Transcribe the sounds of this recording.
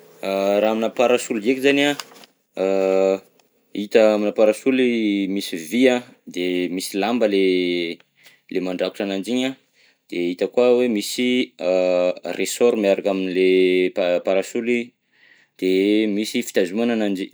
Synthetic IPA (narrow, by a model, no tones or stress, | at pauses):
aɾaminapaɾasuld̪iekizana | it̪aaminapaɾasulimisiviad̪emisilambəle | lemaɳɖ͡ʐaku̥ʈ͡ʂanand͡ʒiɲa | d̪̥eit̪əkuawemisi | resɔɾmiaɾakaminileppaɾasuli | d̪̥emisifi̥t̪azuananand͡ʒi